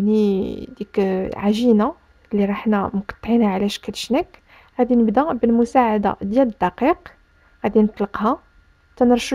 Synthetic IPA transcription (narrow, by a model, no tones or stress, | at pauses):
nid̪ikʕaʒina | lːiɾˤɑħnæmqɑ̥t̪ˤːʕinaʕlæʃkælʃnæk | ɣæd̪inəbd̪æbəlmʊsaʕad̪a̰d̪jæləd̪ːɑqiq | ɣæd̪inət̪ˤləqha | t̪ænəɾˤʃə